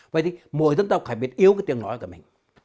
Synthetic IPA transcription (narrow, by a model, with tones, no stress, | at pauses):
və̰˧˨jt̪i˨mo̰˧˨jzə˧nt̪aː˧˩wkxaː˧˩ɓi˧˩ət̚ʔi˧əwkːjt̪i˧˨əŋnɔ˨˦jku˧˩mï˨˩ŋ̟